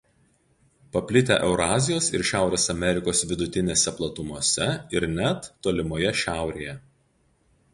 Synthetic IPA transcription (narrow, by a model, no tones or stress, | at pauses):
pɐpʲlʲɪt̪ʲæ̰ʔɛʊɾɑːzʲɪjoːsɪɾʃʲæˑʊɾʲeːsɐmʲɛɾʲɪkoːsʋʲɪd̪ʊt̪ʲɪnʲeːsʲɛplˠɐt̪ʊmuɔsʲɛɪɾnʲæt̪ːoːlʲɪmoːjɛʃʲæˑʊɾʲḛjɛ